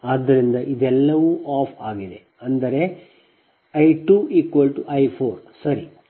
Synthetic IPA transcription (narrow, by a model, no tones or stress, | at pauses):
aːd̪ːɐɾind̪ɐʔid̪ɛlːɐʋuʔaːpʰaːɡid̪e̞ | ɐnd̪ɐɾe̞ | ɐjʈuːiːkʋɐlʈuʔɐjpʰoːɾsɐɾi